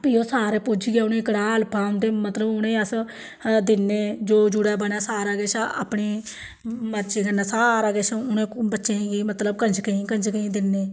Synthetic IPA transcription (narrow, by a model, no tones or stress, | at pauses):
piːoːsaːɾeːpʊd͡ʒiɡeːʊnẽːkəɽaːlpʰaːʊ̃nd̪eːmət̪ləbʊnẽːəs | d̪ɪnːeːd͡ʒoːd͡ʒʊɽɛːbəɳaːsaːɾaɡeːsaa̰pɳeː | mətːt͡ʃeːɡənaːsaːɾaːɡeːsãʊnẽːbətːʃẽːɡiːmət̪ləbkənd͡ʒkəĩːkənd͡ʒkəĩːd̪ɪnːeː